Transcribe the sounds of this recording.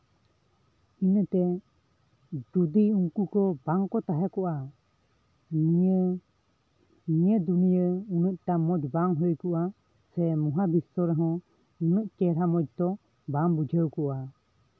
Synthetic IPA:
inət̪ɛ | d̪ud̪iuŋkukɔbaŋkɔt̪aɦɛkɔʔa | nijəd̪unijəunəʔ̚t̪amɔd͡ʒbaŋɦɔjkɔʔa | sɛmuɦabisɔɾɛɦɔ̃ | unəʔkɛɾamɔd͡ʒt̪ɔ | bambud͡ʒʱəwkɔʔa

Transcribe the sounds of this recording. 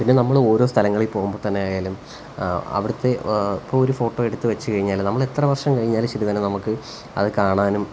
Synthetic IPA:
pinːenɐmːɐɭo̞ːɾo̞ːst̪ʰɐlɐŋːɐɭilpo̞ːɣumbo̞ːt̪ɐnːe̞jaːjaːlum | ɐ̰ʋiɽɐt̪ːe̞ipːoːɭoɾufo̞ːʈːo̞ːeɽut̪ːɨʋɐt͡ɕːukɐɻiɲːaːlnɐmːɐɭe̞t̪rɐʋɐrʂɐmkɐɻiɲːaːlumt͡ɕeɾuðɐnenɐmukːɨ | ɐ̰ðɨkaːɳaːnum

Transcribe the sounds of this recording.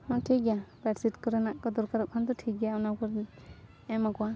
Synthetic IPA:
hɔ̃ʈʰikjapɛʈsitkɔɾɛnaʔkɔd̪ɔɾkaɾɔʔ̚kʰand̪ɔʈʰik̚jaunakɔɾ | ɛmakɔwa

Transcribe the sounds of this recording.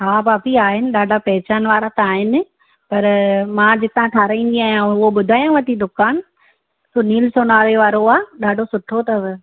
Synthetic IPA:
ɦaːbaːpiaːɦɪnɪ̆ɗaːɖʱapɐɦɪt͡ɕaːnʋaːɾat̪ɐaːɦɪnɪ̆ | pɐɾmãːd͡ʑɪt̪ãʈʰaːɾãĩːn̆d̪iaːɦjãʊɦoɓʊd̪ʱaːjãʋɐt̪id̪ʊkaːn̆ | soːniːlsonaːɾeʋaːɾoaːɗaːɖʱosʊʈʰot̪ɐ

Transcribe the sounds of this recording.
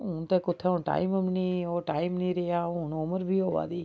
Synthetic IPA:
ɦʊnt̪eːkʊt̪ʰːeːʊɳʈa̰ːiməmniːoːʈaːimnĩːɾeaːʊnʊməɾbʱiːoːʋa̰ːd̪iː

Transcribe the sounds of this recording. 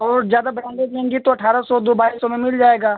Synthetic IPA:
ɔːɾzjaːd̪abɾɛ̃ːɳɖed͡ʒlẽːŋɡit̪oɐʈʰaːɾasɔd̪obaːisːɔmẽmɪld͡ʒaːeːɡaː

